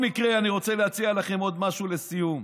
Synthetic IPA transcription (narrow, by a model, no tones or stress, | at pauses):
mikʁeaniʁo̞t͡selehat͡sialaχe̞mo̞d̪maʃulesijum